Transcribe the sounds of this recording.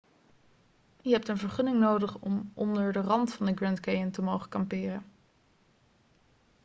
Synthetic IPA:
yəɦɛp̚tənvəɹχɵnɪŋnowdəχɔ̰mʔɔ̰ndəɹdərɑntfɑndəɡrɛntkejəntəmowχəkɑmpɪːrən

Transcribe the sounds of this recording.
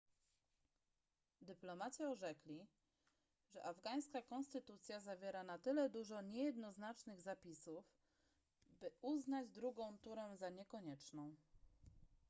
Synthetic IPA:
d̪ɘplɔmat͡ɕɛɔʐɛklʲi | ʐɛ̰ʔavɡaj̃skakɔnst̪ɘt̪ut̪sʲjazavʲjɛɾanat̪ɘlɛd̪uʐɔɲɛjɛd̪nɔznat͡ʂnɘɣzapʲisuf | bɘuznad͡ʑd̪ɾuɡɔ̃w̃t̪uɾɛ̃zaɲɛkɔɲɛt͡ʂnɔ̃w̃

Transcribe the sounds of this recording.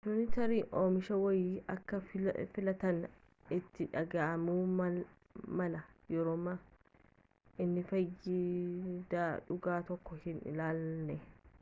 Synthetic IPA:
tʊnɪt̪ɐɾiːʔoːmɪʃɐwɐjɐkːɐfɪlɐt̪ɐn | ɪt̪ːɪᶑɐɡaʔɐmuː | mɐlɐjɛɾoːma | ɪnːɪfɐjɪd̪aːᶑʊɡaːt̪ɔkːɔhɪnɪ̰laːlnɛ

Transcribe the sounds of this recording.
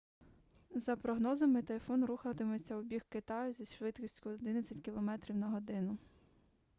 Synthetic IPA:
zɐpɾɔɦnɔzɐmɪt̪ɐfɔnɾuxɐt̪ɪmɔt͡sʲːɐɔbʲixkɪt̪ɑjʊzʲisʃʋɪt̪kisʲtʲkʊɔd̪ɪnɐt͡sʲɐtʲkʲilˠɔmɛt̪ɾʲiwnɐɦɔd̪ɪnʊ

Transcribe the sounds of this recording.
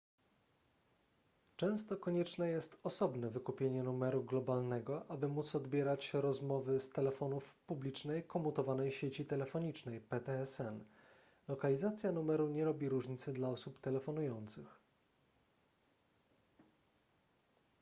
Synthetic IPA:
t͡ʂɛ̃w̃st̪ɔkɔɲɛt͡ʂnɛjɛst̪ɔsɔbnɛvɘkupʲjeɲɛnumɛɾuɡlɔbalnɛɡɔʔabɘmut̪sɔd̪bʲjɛɾat͡ɕɾɔzmɔvɘst̪ɛlɛfɔnufpublʲit͡ʂnɛjkɔmut̪ɔvanɛjɕet͡ɕit̪ɛlɛfɔɲit͡ʂnɛjpɛt̪ɛɛsɛn | lɔkalʲizat̪sʲjanumɛɾuɲɛɾɔbʲiɾuʐɲit̪sɛd̪laɔsupt̪ɛlɛfɔnujɔnt̪sɘx

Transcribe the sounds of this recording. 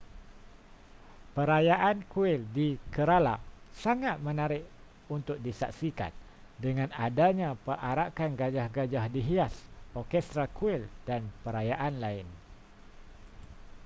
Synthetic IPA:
pəɾajaʔankuɪldikəɾala̰saŋat̪̚mənaɾɪʔ | unt̪ʊk̚disak̚sika̰n | dəŋãnadaɲãpəʔaɾakanɡad͡ʒahɡad͡ʒahdiɦiasɔrkɛst̪ɾakuɪldanpəɾajaʔanlaɪn

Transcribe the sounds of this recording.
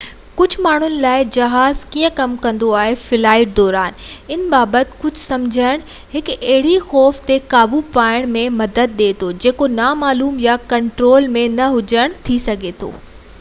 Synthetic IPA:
kʊd͡ʑʱmaːɳ̤ʊnɪ̆laːɪd͡ʑɐɦaːzkiːə̃kɐmkɐ̃nd̪oaːɦefɪlaːɪʈ̚d̪ɔːɾaːnɪnbaːbət̪ɪ̥̆kʊd͡ʑʱʊsɐmd͡ʑʱəɽ̃ | ɦɪkɐɦɪɽixɔːft̪ekaːbupaːɪɽ̃mẽmɐd̪əd̪̚ɗeːt̪ʰod͡ʑeːkonaːmaːluːmjakɐ̃ɳʈɾoːlmẽnɐɦʊd͡ʑəɽ̃t̪ʰisɐɡʱet̪ʰo̰ː

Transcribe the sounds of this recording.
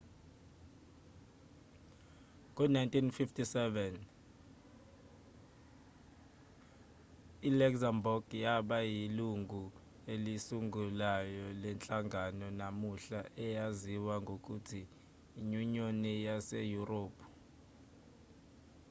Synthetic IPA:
k̬ʼunajntʼinfiftʰʼisɛvɛn | ilɛksambɔɡ̥jaɓajiluŋʱu | elisuŋɡʱulajɔlɛnt͡ɬʼaŋɡʱanɔnamuɬaʔɛjaziwaŋɡʱok̬ʼutʰiː | ɲuɲonijasejuroːpʰ

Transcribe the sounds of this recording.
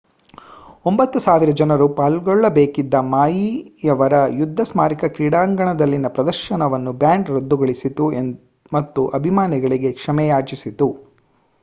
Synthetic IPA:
ombɐt̪ːusaːʋiɾɐd͡ʒɐnɐɾupaːlɡɔɭːɐbeːkid̪ːɐmaːjijɐʋɐɾɐjud̪ʱːɐsmaːɾikɐkɾiːɽaːŋɡɐɳɐd̪ɐlːinɐpɾɐd̪ɐɾʃɐnɐʋɐnːubjaːɳɖɾɐd̪ːuɡɐɭisit̪ue | mɐt̪ːuʔɐbʱimaːniɡɐɭiɡe̞kʂɐmɛjaːt͡ʃisit̪u

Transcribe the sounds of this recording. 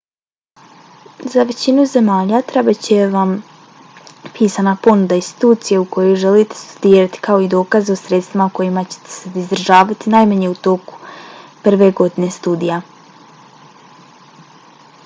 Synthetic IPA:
zaʋe̞t͡ɕinuze̞maːʎat̪ɾebat͡ɕeʋam | piːsanapo̞nud̪ainst̪i̥t̪uːt̪sijeuko̞jojʒe̞lit̪e̥st̪u̥d̪iːɾat̪i̥kao̞id̪o̞ːkazeo̞sɾe̞t̪st̪ʋimako̞jimat͡ɕe̥t̪e̥sed̪izd̪r̩ʒaːʋat̪inajmaɲe̞ut̪o̞ku̥pr̩ʋe̞ɡo̞d̪ine̞st̪ud̪ija

